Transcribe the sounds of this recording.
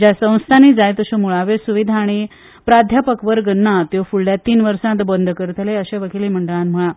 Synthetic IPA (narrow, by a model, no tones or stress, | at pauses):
d͡ʑjasə̃w̃st̪ʰanid͡zajt̪əɕomuɭaʋesuʋid̪ʱaːɽ̃i | pɾad̪ʱjapəkʋəɾɡənːat̪jofuɭljat̪ːiːnʋəɾsãt̪bənd̪ʱkəɾt̪ʰleəɕeʋəkeliːm̤əɳɖəɭãnm̤əɭa